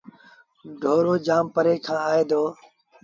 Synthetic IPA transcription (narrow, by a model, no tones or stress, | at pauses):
ɖʱoːɾoːd͡ʒaːmpəɾeːkʰãːaːeːd̪oː